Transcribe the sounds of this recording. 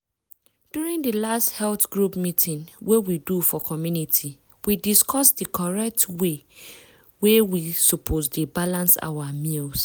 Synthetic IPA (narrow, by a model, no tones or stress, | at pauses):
d̥juɹĩŋdəlasthɛlθɡɹupmitʰĩnwewidufɔkʰɔmjunitʰi | widiskʰɔsdəkʰɔɹɛk̚twe | wewisopʰosdebalãnsa̰wamils